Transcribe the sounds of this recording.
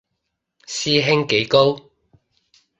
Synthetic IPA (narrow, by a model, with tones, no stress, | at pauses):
siː˥ɦɪ˥ŋke˨˥jko˥w